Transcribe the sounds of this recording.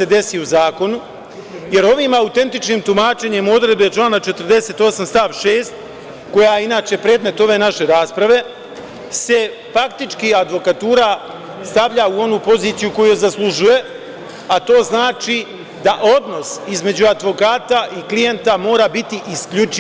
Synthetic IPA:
se̞d̪e̞siuzaːko̞nu | je̞ɾo̞ʋiːmaut̪e̞nt̪it͡ʃniːmt̪umaːt͡ʃe̞ɲemo̞d̪ɾe̞d̪bet͡ʃlˠaːnat͡ʃet̪ər̩d̪e̞set̪o̞samst̪aːʋʃe̞ːst̪ | ko̞jajeinaːt͡ɕe̞pɾe̞ːd̪me̞t̪o̞ʋe̞ːnaʃe̞ɾaːspɾaʋe̞ | se̞ | fakt̪it͡ʃkiad̪ʋo̞kat̪uːɾa | st̪aʋʎauo̞nupo̞ziːt̪sijuko̞jujzaslˠuʒuje̞ | at̪o̞ːznaːt͡ʃi | d̪aʔo̞d̪no̞sizme̞d͡ʑuad̪ʋo̞kaːt̪aʔiklije̞nt̪amo̞ːɾabit̪iʔiskʎut͡ʃi

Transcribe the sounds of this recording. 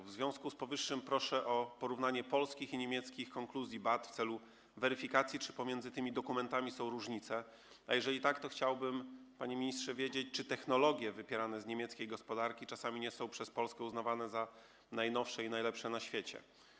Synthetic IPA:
vzvʲjɔ̃w̃skuspɔvɘʂːɘmpɾɔʂɛʔɔpɔɾuvnaɲɛpɔlskʲixiɲemʲjɛt̪skʲixkɔŋkluzʲjibat̪ft̪sɛlu | vɛɾɘfʲikat̪sʲjit͡ʂɘpɔmʲjɛnzɘt̪ɘmʲid̪ɔkumɛnt̪amʲisɔ̃w̃ɾuʐɲit̪sɛ | ajɛʐɛlʲit̪akt̪ɔxt͡ɕawbɘmpaɲemʲiɲistʂɛvʲjed͡ʑet͡ɕt͡ʂɘt̪ɛxnɔlɔɡʲjɛvɘpʲjɛɾanɛzɲemʲjɛt̪skʲejɡɔspɔd̪aɾkʲit͡ʂasamʲiɲɛsɔ̃w̃pʂɛspɔlskɛuznavanɛza | najnɔfʂɛinajlɛpʂɛnaɕfʲjet͡ɕɛ̰

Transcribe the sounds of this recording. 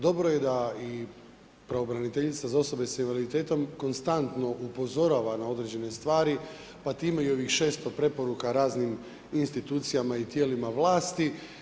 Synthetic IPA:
d̪o̞bɾo̞je̞d̪ai | pɾaobɾanit̪e̞ʎit̪sazao̞so̞be̞sainʋalid̪it̪e̞ːt̪o̞mko̞nst̪ant̪no̞ʔupo̞zo̞ɾaːʋanao̞d̪ɾe̞d͡ʑe̞ne̞st̪ʋaːɾi | pat̪iːmeio̞ʋixʃe̞ːst̪o̞pɾe̞po̞ɾukaɾaːznim | inst̪it̪uːt̪sijamait̪je̞ːlimaʋlˠaːst̪i

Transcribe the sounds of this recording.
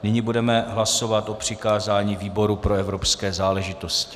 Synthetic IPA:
nɪɲibudɛmɛɦlaso̞vat̪ʔo̞pr̝̥ɪkaːzaːɲiːviːbo̞ɾupɾoɛvɾo̞pskɛːzaːlɛʒɪt̪o̞scɪ̥

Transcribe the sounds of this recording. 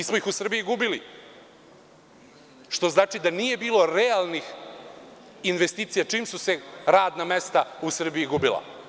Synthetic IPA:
ismoixusr̩bijuɡubili | ʃt̪o̞znaːt͡ʃid̪anije̞biːlo̞ɾealˠnix | inʋe̞st̪iːt̪sijat͡ʃiːmsuse̞ɾaːd̪namest̪ausr̩bijiɡubila̰

